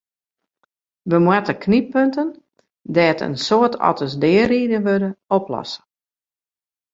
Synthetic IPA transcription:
ʋəmwatəkʰnipøntən | dɛːtə̰nsoətʰɔ̰tʰəsdɪːəriːdənʋødəoplɔ̰sə̥

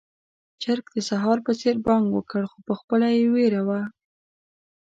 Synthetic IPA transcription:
t͡ʃaɾk̚d̪əsaɦɑɾpəseɾbɑŋɡwəkəɽxopəxpəlajeweɾawa

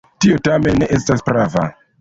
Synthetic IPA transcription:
tiotamenːeʔestaspɾava̰

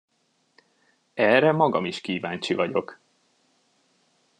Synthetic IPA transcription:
ɛrɛmɒɡɒ̰miʃkiːvaːɲt͡ʃivɒɟo̞k

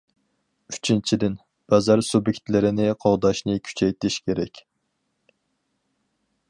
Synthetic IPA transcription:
y̥t͡ʃʰint͡ʃʰid̪ɪn | b̥ɑzɑɾsubjekʲt̪lɪɾɪnɪqʰɑʁd̪ɑʃnɨkʲʰy̥t͡ʃʰɛjt̪ʰɪʃkʲʰeɾɛkʲ

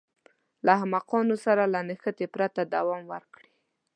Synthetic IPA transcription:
lahamaqɑnosaɾalanəxət̪epɾat̪ad̪awɑmwəɾkɽi

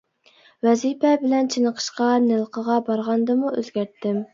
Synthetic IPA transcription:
wɛzipɛbɪlɛnt͡ʃʰinəqʰə̥ʃqɑnɪlˠqʰəʁɑbɑɾʁɑnd̪ɨmuøzɡʲæɾt̪ːɪm

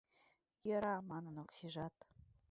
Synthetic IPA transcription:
jɤ̆ɾɑmɑnənoksiʒɑt̪

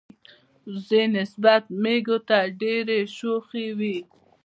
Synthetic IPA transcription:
zenɪsbat̪̚meɡot̪aɖeɾeʃoxewi

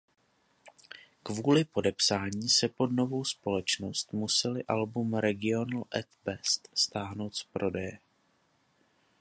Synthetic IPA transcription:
kvuːlɪpo̞dɛpsaːɲiːsɛpo̞dno̞vo̞wspo̞lɛt͡ʃno̞st̪musɛlɪʔalbumɾɛɡɪo̞nl̩ʔɛt̪bɛst̪st̪aːɦno̞wt̪spɾo̞dɛjɛ

